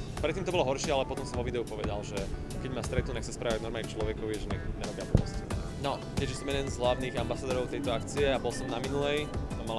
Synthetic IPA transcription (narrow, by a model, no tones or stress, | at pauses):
pɾɛt̪ːiːmt̪ɔbɔlɔɦɔɾʃɪɛalɛpɔt̪ɔmsɔmʋɔʋid̪ɛupɔʋɛd̪alʒɛ | kɛɟmast̪ɾɛt̪nunakxsaspɾaʋaɟnɔɾmalɲɛt͡ʃlɔʋɛkɔʋiʒɛɲɛɲɛɾɔbɪapɔɦɔ̰scinɛ̰ | nɔ | kɛʒisɔmjɛd̪ɛnzɦlaʊniɣambasad̪ɔɾɔʊt̪ɛjt̪ɔakt͡siɛabɔlsɔmnaminulɛjt̪amala